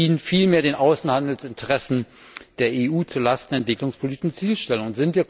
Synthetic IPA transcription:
iːnfiːlmeːɐdeːnʔaʊsn̩handl̩sɪntʰəʁɛsn̩ | d̥eːɐʔeːʔuːt͡suɐlastn̩ɛntv̥ɪklʊŋspʰoliːtɪʃn̩t͡siːlʃtɛlʊŋʊnz̥ɪntv̥iːɐk

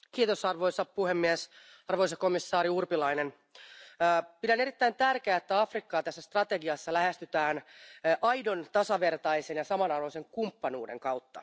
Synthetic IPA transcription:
kiːt̪o̞sɑrʋo̞jsɑpuhemːies | ɑrʋo̞js̬ɑkomisːɑːɾiurpilɑine̞nː | pidæne̞ɾit̪ːæint̪ærk̟eæːet̪ːæɑfrikːɑːt̪æsːæst̪rɑt̪eɡiɑsːɑlæɦest̪yt̪æːnʔɑjdo̞nt̪ɑsɑʋe̞rt̪ɑjsenjɑsɑmɑnɑrʋoiseŋkumpːɑnuːde̞̰ŋkɑwt̪ːɑ

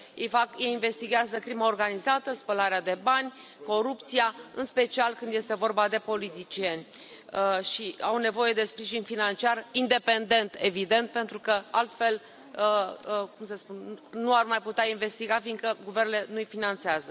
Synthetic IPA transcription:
jejfakeinve̞st̪iɡʲeazəkɾimaorɡanizat̪əspəlaɾead̪e̞banʲ | ko̞ɾupt̪siaɨ̰nspe̞t͡ʃialkɨnd̪je̞st̪e̞vo̞rbad̪e̞po̞lit̪it͡ʃie̞nʲ | ʃiawne̞vo̞je̞d̪e̞spɾiʒinʲfinant͡ʃiarind̪e̞pe̞nd̪e̞nt̪e̞vid̪e̞nt̪̚pe̞nt̪ɾukəalt̪fe̞l | kumsəspunnuarmajput̪eainve̞st̪iɡafiŋɡkəɡuvernelenuijfinant̪seazə

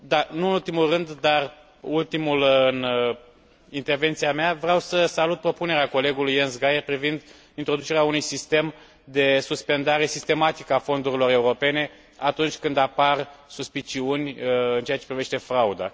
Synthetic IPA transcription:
d̪anuɨnult̪imulrɨnd̪ːar | ult̪imulɨn | int̪e̞rve̞nt̪siameavɾeawsəsalut̪̚pɾo̞pune̞ɾeako̞le̞ɡulujensɡajerpɾivind̪ | int̪ɾo̞d̪ut͡ʃe̞ɾeaunujsist̪e̞m | d̪e̞suspe̞nd̪aɾe̞sist̪e̞mat̪ikəafo̞nd̪uɾilo̞ɾe̞uɾo̞pe̞ne̞ | at̪unt͡ʃʲkɨnd̪aparsuspit͡ʃiunʲɨnt͡ʃeat͡ʃe̞pɾive̞ʃt̪e̞fɾaud̪a̰

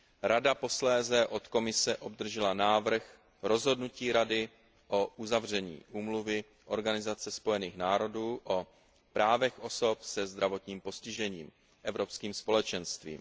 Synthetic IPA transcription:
ɾadapo̞slɛːzɛʔo̞t̪ko̞mɪsɛʔo̞bd̪r̩ʒɛlanaːvr̩x | ɾo̞zɦo̞dnuciːɾadɪ | ʔoʔuzavr̝ɛɲḭːʔuːmluvɪ | ʔo̞ɾɡanɪzat͡sɛspo̞jɛniːxnaːɾo̞duːʔo | pɾaːvɛxʔo̞so̞psɛzd̪ɾavo̞t̪ɲiːmpo̞scɪʒɛɲḭːm | ʔɛvɾo̞pskiːmspo̞lɛt͡ʃɛnst̪vḭːm

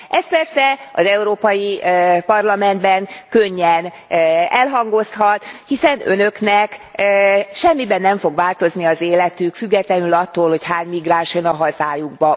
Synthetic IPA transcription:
ʔɛspɛrsɛɒzɛuɾoːpɒjipɒrlɒmɛnd̪bɛŋkøɲːɛn | ɛlɦɒŋɡo̞sɦɒt̪hisɛnø̞̰nø̞knɛk | ʃɛmːibɛnːɛɱfo̞ɡʋaːlt̪o̞zniɒzeːlɛt̪ykfyɡːɛt̪lɛnylɒt̪ːoːlho̞chaːɲmiɡraːʃonɒɦɒzaːjuɡ̚bɒ

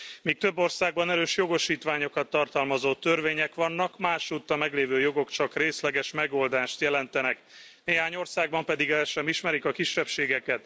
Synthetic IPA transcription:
miːk̚t̪ø̞bːo̞rsaːɡbɒnɛɾøːʃjo̞ɡo̞ʃiːt̪ʋaːɲo̞kɒt̪ːɒrt̪ɒlmɒzoːt̪ø̞rveːɲɛkʋɒnːɒkmaːʃut̪ːɒmɛɡleːvøːjo̞ɡo̞kt͡ʃɒkreːslɛɡɛʃmɛɡo̞ld̪aːʃt̪jɛlɛnt̪ɛnɛk | neːɦaːɲo̞rsaːɡ̚bɒmpɛd̪iɡɛlʃɛmiʃmɛɾikɒkiʃːɛpʃeːɡɛkɛt̪

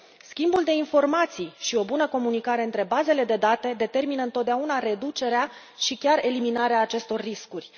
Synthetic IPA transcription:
skʲimbuld̪e̞info̞rmat̪sijʃio̞bunəko̞munikaɾe̞ɨnt̪ɾe̞baze̞le̞d̪e̞d̪at̪e̞d̪e̞t̪e̞rminəɨnt̪ot̪̚d̪eaunaɾe̞d̪ut͡ʃe̞ɾea | ʃikʲare̞liminaɾeaːt͡ʃe̞st̪o̞rːiskurʲ

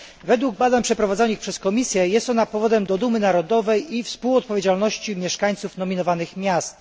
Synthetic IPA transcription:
vɛd̪wuɡ̚bad̪aɲpʂɛpɾɔvad̪zɔnɘxpʂɛskɔmʲisʲjɛjɛst̪ɔnapɔvɔd̪ɛmd̪ɔd̪umɘnaɾɔd̪ɔvɛjifspuwɔt̪̚pɔvʲjed͡ʑalnɔɕt͡ɕimʲjɛʂkaɲ̃t̪sufn̪ɔmʲinɔvanɘxmʲjast̪

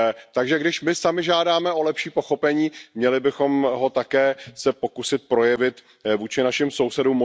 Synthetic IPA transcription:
t̪aɡʒɛɡdɪʃmɪsamɪʒaːdaːmɛo̞lɛpʃiːpo̞xo̞pɛɲiːmɲɛlɪbɪxo̞mɦo̞t̪akɛːsɛpo̞kusɪt̪̚pɾo̞jɛvɪt̪ | vuːt͡ʃɪnaʃɪmsowsɛduːmːo

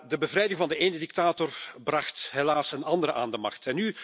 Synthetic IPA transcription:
dəbəvɾɛjdɪŋvɑndəeːnədik̚taːtɔrbrɑxtɦelaːsənɑndəɾəʔa̰ːndəmɑ̰xtɛnːy

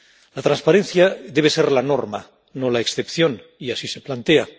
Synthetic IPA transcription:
lat̪ɾanspaɾẽnθjaðeβ̞e̞seɾlanoɾma | nolaeksθepθjon | iasiseplant̪ea

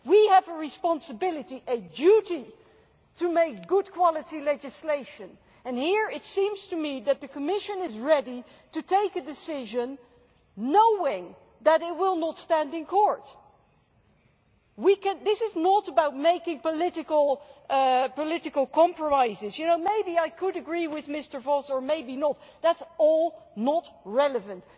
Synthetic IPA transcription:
wiəvəɹɨspɑ̃nsəbɪlˠɨɾiʔɨdʉɾi | tɨmeɪk̚ɡ̥ʊd̚kʰw̥ɑlˠɨɾilɛd͡ʒɨsleɪʃɨ̃n | ɨ̃nhiɹɪtsĩmz̥tʰɨmiðɨt̪̚ðɨkʰəmɪʃɨ̃nɪzɹɛɾi | tɨtʰeɪkɨdɨsɪʒɨ̃nː | oʊɪ̃ŋ | ðəɾɪt̚wɪlˠnətstæ̃ndɨ̃nkʰɔɹt | wikɨ̃nðɪsɨznəɾəbaʊt̚meɪkɪ̃ŋpəlɪɾɨkəl̩ˠ | pəlɪɾɨkəl̩ˠkʰɑ̃mpɹəmaɪzɨzjɨnoʊmeɪbiaɪkʰɨɾɨɡɹiwɪðmɪstə˞vɔsə˞meɪbinət̚ðætsɔlˠnət̚ɹɛlˠəvɨ̃nt

